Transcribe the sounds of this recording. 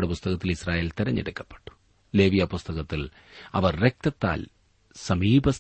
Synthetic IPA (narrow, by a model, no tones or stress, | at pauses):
ɽepust̪ɐɣɐt̪ːilisraːjeːlt̪iɾɐɲːḭɽukːɐ̥pːe̥ʈːu̥ | le̞ːʋijɐpust̪ɐɣɐt̪ːil | ɐʋɐrrek̚t̪ɐt̪ːa̰ːl | sɐmiːbʱɐs